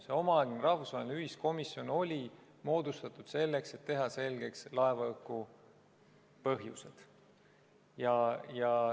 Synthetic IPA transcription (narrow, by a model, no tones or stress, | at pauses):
seo̞mɑɑɡinɾɑhvusvɑːɦelineyɦisko̞misjo̞no̞lʲi | mo̞ːd̪̥ust̪ɑt̪ˑud̪̥se̞lːekse̞t̪ːe̞ɦɑse̞lɡ̥e̞kslɑe̞vɑɤkːu | pɤɦjṵsed̪̥ | jɑjɑ